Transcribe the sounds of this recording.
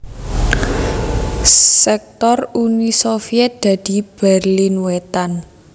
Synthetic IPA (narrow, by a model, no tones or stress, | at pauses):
sɛk̚t̪ɔrunisofiɛt̪̚d̪̥ä̤d̪̥i̤b̥ɛrlinwɛt̪an